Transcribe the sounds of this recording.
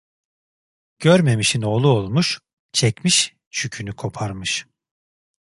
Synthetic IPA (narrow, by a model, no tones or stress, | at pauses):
ɟ̥øɾme̞miʃino̞ːlˠuolˠmuʃ | t͡ʃʰɛcmiʃ | ʃycʰynykʰo̞pʰaɾmɯʃ